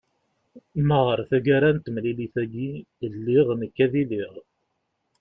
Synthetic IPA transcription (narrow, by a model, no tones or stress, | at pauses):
məʁəɾθæɡæɾænt̪mliliθæɡi | lːiʁnəkːæðiliʁ